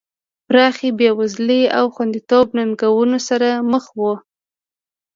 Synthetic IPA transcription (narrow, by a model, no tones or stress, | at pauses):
pɾɑxebewazleawxwand̪it̪obnanɡawunosaɾaməxwo